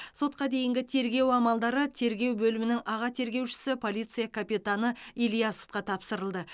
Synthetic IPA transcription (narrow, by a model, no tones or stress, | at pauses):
so̞t̪̚qɑd̪e̞jɪŋɡʲɪt̪ʰe̞ɾɡʲe̞wɑmɑlˠd̪ɑɾət̪ʰe̞ɾɡʲe̞wbɵlɪmɪnɪŋʔɑʁɑt̪ʰe̞ɾɡʲe̞wʃɪ̥sɪpʰo̞lijt̪sɨjakʰapijt̪anəilˠijɑso̥fqɑt̪ʰɑpsəɾəlˠd̪ə